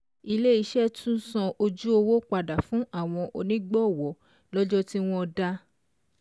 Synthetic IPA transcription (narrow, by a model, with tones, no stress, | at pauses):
i˧le˦i˨˧˦ʃɛ˦tʰũ˦n̩˦sɔ̃˧o˧d͡ʒu˦o˧wo˦k͡pa˧da˨fũ˨˦a˦˨w̃ɔ̃˧ʔo˧nĩ˦ɡ͡bɔ˦˨wɔ˨˦ | lɔ˦d͡ʒɔ˦ti˦w̃ɔ̃˦˧da˦